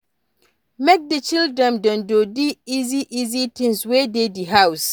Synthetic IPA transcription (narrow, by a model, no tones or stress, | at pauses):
mɛk̚dət͡ʃʰildɹɛ̃ndɔ̃ndodiiziʔizitʰɪ̃ŋswedediɦaws